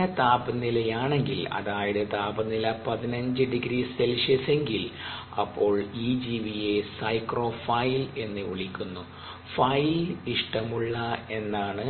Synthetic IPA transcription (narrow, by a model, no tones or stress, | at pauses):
ɐt̪aːbɐnːilɐjaːɳe̞ŋɡilɐ̰ðaːjɐɽɨt̪aːbɐnːilɐpɐðinɐɲd͡ʑɨɖiɡɾiselʂɐse̞ŋɡil | ɐ̰pːo̞ːɭiːd͡ʑiːʋijesɐjkro̞ːfɐjle̞nːɨuɭikʲːunːu | fɐjliʂʈɐmuɭːɐe̞nːaːɳɨ